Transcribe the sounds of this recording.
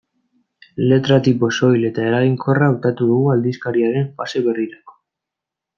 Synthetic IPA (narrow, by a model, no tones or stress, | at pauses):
le̞t̪ɾat̪ipo̞so̞jle̞t̪aeɾaɣiŋkʰo̞raːwt̪at̪uðuɣuald̪iskaɾiaɾe̞mfase̞βe̞riɾako̥